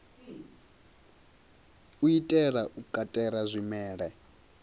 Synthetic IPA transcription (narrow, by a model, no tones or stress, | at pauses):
uitʼɛɺaʔukʼatʼɛɾazʷimɛːɺɛ